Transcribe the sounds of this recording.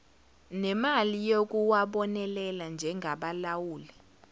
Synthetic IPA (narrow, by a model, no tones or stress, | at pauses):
nɛmalijok̬uwaɓɔnɛlɛland͡ʒʱɛŋʱaɓalawuːlɛ